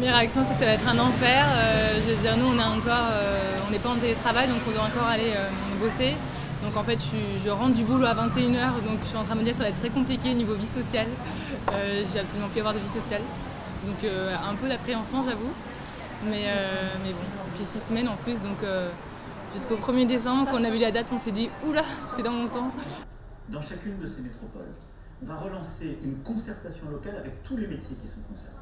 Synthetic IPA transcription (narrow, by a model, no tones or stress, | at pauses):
meʁeaksjɔ̃sɛkə̥savaɛt̪χɛ̃nɑ̃fɛːʁøʒəvəd̪iʁnuɔ̃naɑ̃kɔʁø | ɔ̃nɛpãt̪elet̪χavajd̪ɔ̃kɔ̃d̪waɑ̃kɔʁaleø | bose | d̪ɔ̃kɑ̃fɛt̪ʃiʒəʁɑ̃d̪ybuloavɛ̃t̪eynœʁd̪ɔ̃kʃɥiɑ̃t̪χɛ̃məd̪iʁsavaɛt̪t̪ːχɛkɔ̃plikʲeonivovisɔsjal | øʒəvɛapsolymɑ̃plyavwaʁd̪əvisɔsjal | d̪ɔ̃køɛ̃pød̪apχeɑ̃sjɔ̃ʒavu | mɛømɛbɔ̃epɥisisəmɛnɑ̃plys̬d̪ɔ̃kø | ʒ̥yskopχəmjed̪es̬ɑ̃bʁkɑ̃ɔ̃navylad̪at̪ɔ̃sɛd̪iulasɛd̪ɑ̃mɔ̃t̪ɑ̃ | d̪ɑ̃ʃakʲynd̪əsemet̪χɔpɔ̰l | vaʁəlɑ̃seʔynkɔ̃sɛʁt̪asjɔ̃lɔkalavɛkt̪ʰulemet̪jekʲi̥sɔ̃kɔ̃sɛ̰ʁne